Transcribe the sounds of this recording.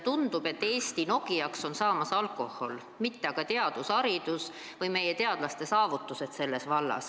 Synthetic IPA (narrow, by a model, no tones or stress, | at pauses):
t̪und̪̥ube̞t̪ːe̞ːsʲt̪ino̞ɡ̥iɑkso̞nsɑːmɑsɑlkˑo̞ho̞l | mit̪ːeɑɡ̥ɑt̪e̞ɑd̪̥usɑɾid̪us | vɤjme̞jet̪e̞ɑd̪̥lɑst̪e̞sɑːvut̪ːˑuse̞t̪se̞lːe̞svɑlːɑ̰s